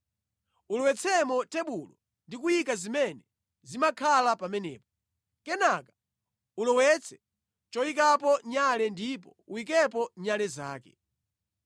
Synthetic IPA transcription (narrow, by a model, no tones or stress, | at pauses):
ulɔwɛt͡sʰɛmɔtɛɓulɔ | ndik̬ujikazimɛnɛ | zimakʰalapamɛnɛ̰ːpɔ̥ | kɛnakḁ | ulɔwɛt͡sʰɛ̥ | t͡ʃɔik̬ap̬ɔɲalɛndip̬ɔuwik̬ɛp̬ɔɲalɛza̰ːkɛ̰